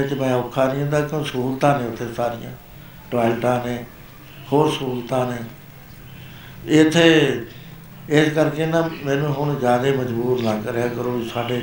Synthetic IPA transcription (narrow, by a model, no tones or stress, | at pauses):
ɪt͡ʃmɛ̃ːʊkʰːaːnĩːɦõnd̪aːkɪõːsəuːlt̪ãːnẽːʊt̪ʰːeːsaːɾɪjã̰ː | ʈaːlʈãːnẽː | hoːɾsəuuːlt̪ãːneː | ɪt̪ʰːeː | ɪskəɾkeːnãːmɛ̃ːnũːɦʊɳzjaːd̪eːməd͡ʒbuːɾnãːkəɾeːãːkəɾõːiːsaːɖeː